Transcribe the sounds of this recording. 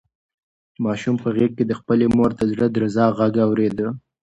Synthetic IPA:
mɑʃumpəɣeɡ̚ked̪əxpəlemoɾt̪azɽad̪ɾazɑɣaɡawɾed̪ə

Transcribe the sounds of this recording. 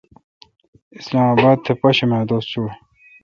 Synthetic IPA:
islaːmaːbaːd̪̚t̪ʰepɐɕemaːd̪oːst͡ɕʰu

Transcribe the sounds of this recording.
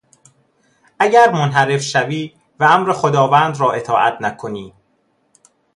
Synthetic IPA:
ʔæɟæɾmonɦæɾe̞fʃæviː | vææmɾexod̪ɒːvæːnd̪ɾɒːʔe̞t̪ʰɒːʔæ̰t̪ʰnækʰo̞niː

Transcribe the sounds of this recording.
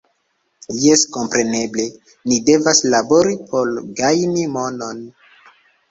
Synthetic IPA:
jesko̞mpɾe̞ne̞ble̞ | nide̞vaslabo̞ɾipʰo̞lɡajnimo̞no̞n

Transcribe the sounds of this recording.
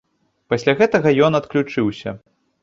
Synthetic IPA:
pɐsʲlʲaɣɛt̪ɐɣɐjɔnɐt̪klʲut͡ʂɨwsʲɐ̰

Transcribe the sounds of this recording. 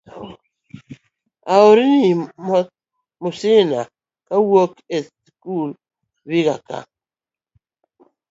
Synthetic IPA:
aoɾini | mʊsɪna | kawokes | kul | wikaka̰

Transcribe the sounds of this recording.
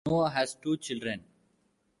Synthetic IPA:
oːəɦɛzʈuːt͡ʃɪlɖɾẽn

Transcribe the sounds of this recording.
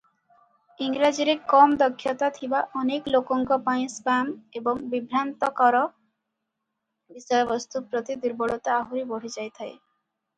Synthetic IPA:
iŋɾad͡ʒiɾekɔmd̪ɔkʰːjɔt̪at̪ʰibaʔɔneklokɔŋkɔpaj̃sbamebɔŋbibʱɾant̪ɔkɔɾɔ | bisɔjɔbɔst̪upɾɔt̪id̪uɾbɔɽɔt̪ɔaɦuɾibɔɽ̤id͡ʒajt̪ʰae

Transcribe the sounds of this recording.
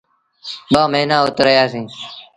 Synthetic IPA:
ɓaːməɦnaːʊt̪ɾəjaːsĩː

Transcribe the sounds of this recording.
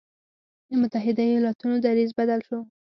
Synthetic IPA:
d̪əmʊt̪aɦɪd̪ajojɑlɑt̪unod̪aɾizbad̪alʃo

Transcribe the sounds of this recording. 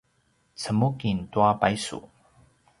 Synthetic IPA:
t͡sʰəmukint̪wapajsṵ

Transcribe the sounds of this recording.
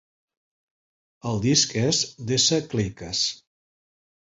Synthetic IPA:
əlˠd̪iskɛzd̪esəklikəs

